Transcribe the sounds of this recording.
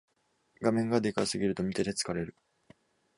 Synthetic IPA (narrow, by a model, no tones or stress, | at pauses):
ɡamẽ̞ŋɡad̪e̞kasɨɡʲiɾɯ̟t̪o̞mʲit̪ed̪et͡sɨ̥kaɾe̞ɾɯ̟